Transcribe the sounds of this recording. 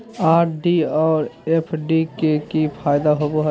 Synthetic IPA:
aːɾɖiɔːɾepʰɖikekipʰaːɪd̪aɦoboɦ

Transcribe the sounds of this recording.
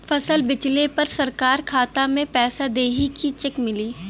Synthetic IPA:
fɐsəlbɪt͡ʃlepɐɾsɐɾkaːɾkʰaːt̪amẽpɛːsad̪eːɦikit͡ʃɪkmɪliː

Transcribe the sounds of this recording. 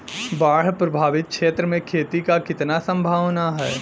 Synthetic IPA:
baːɽ̤pɾɐbʱaːʋɪt̪̚kʃeːt̪ɾəmẽkʰeːt̪ikakɪt̪nasɐ̃mbʱaːʋnaɦɛː

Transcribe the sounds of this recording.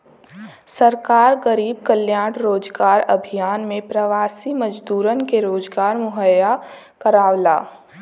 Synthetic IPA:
səɾkaːɾɡəɾiːb̚kəljaːɽɾoːd͡ʒɡaːɾɐbʱijaːnmẽpɾəʋaːsiməd͡ʒd̪uːɾənkeɾoːd͡ʒɡaːɾmʊɦəja | kəɾaːwlaː

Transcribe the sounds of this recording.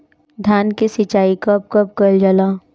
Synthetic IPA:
d̪ʱjaːnkesɪt͡ʃaːikəp̚kəp̚kəld͡ʒəlaː

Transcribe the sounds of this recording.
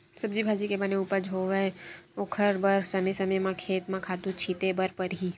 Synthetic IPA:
sɐbd͡ʒibʱaːd͡ʒikebɐneuːpəɾd͡ʒɦoːʋeoːkʰəɾbəɾsɐməsɐməjmãkʰeːt̪mãkʰaːt̪ũt͡ʃʰiːt̪ebəɾpəɾɦiː

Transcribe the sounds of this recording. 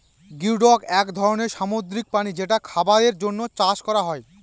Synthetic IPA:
ɡiɾɖɔkɛkd̪ʱɔɾoneɾʃamod̪ɾik̚panid͡ʑeʈakʰabaɾeɾd͡ʑonːot͡ɕaʃkɔɾaɦɔe

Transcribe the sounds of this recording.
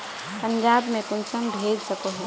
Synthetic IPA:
pə̃ɲd͡ʒaːbmẽkʊnsəmbʱeːd͡ʒsəkoɦɛ

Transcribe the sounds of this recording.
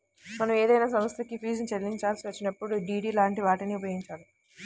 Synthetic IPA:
mɐnɐmeːd̪ɐjnaːsɐmɐst̪ɐkipʰiːsnit͡ʃɐlːiɲt͡ʃaːlsiʋɐt͡ʃːinɐpːuɽuɖiːɽiːlaːɳʈiʋaːʈɐniːupɐɡiɲt͡ʃaːlu

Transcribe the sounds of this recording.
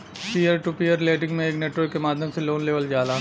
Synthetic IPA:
piːəɾʈupiːəɾleːʈɪ̃ŋɡmẽeːkneːʈwəɾkːemaːd̪ʱjəmseloːnleːʋəld͡ʒaːlaː

